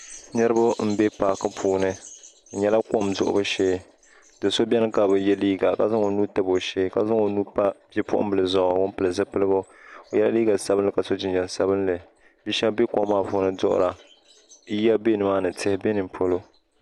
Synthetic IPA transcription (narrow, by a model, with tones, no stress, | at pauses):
nɨ˦ɾɨ˦bʊ˦m̩˦be˦paː˨kɨ˦pʰuː˨nɨ˦˨ | ɲɛ˦la˦ko˦mzʊ̰˨ʔʊ̰˨bɨ˦ʃɛː˦ | d̥ɨ˨so˦bʲɛ˦nɨ˦ka˨bɨ˨jɛ˦liː˦ɡa˨ka˨za˦ŋo˨nu˦tɨ˦bo˨ʃeː˦ka˨za˦ŋo˨nuː˦pa˦pɛ˦pʊ˦ʔʊ̰˦bɨ˨lɨ˨zɔ˨ɔ˨wʊ˦m˦pɨ˨lɨ˨zɨ˦pɨ˦lɨ˦bʊ˦ | o˨jɛ˦la˦liː˦ɡa˨sa˦bɨ˦nlɨ˨ka˨so˦d͡ʒɪ˦nd͡ʒɛ˨n˨sa˦bɨ˦nlɨ˨ | bi˦ʃɛ˦bbe˦ko˦mːaː˦˨puː˨˦nɨ˦dʊ̰˦ʔʊ̰˨ɾa˨˦ | ja˦be˦nɨ˨maː˦nɨ˨tʰɪ˦hɪ˦be˦nɨ˨m˨pʰo˦lo˦